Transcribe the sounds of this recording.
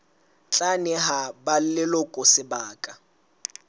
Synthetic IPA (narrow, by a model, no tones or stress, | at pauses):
t͡ɬʼanɪɦabal̩lɪlɔkʼʊsɪbaːkʼa